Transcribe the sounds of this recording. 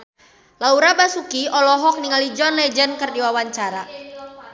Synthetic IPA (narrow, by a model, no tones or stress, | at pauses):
lauɾabasukiɔlɔɦɔk̚niŋalid͡ʒɔnlɛd͡ʒənkərdiwawaɲt͡ʃaɾa